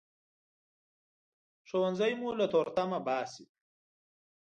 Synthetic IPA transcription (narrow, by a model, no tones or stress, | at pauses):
ʂownzajmulat̪oːɾt̪amabaːsi